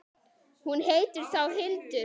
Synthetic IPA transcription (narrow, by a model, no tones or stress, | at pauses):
hunɦeːjt̪ʏɾ̥θawɦɪlt̪ʏ